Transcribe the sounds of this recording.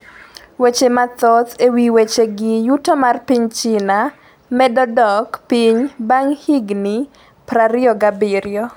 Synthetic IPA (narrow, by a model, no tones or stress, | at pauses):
wet͡ʃemat̪ɔt̪ewiwet͡ʃeɡɪjutomarpiɲt͡ʃɪna | mɛdɔdɔkpiɲbaŋhiɡni | pɾaɾɪɔɡabɪɾɪɔ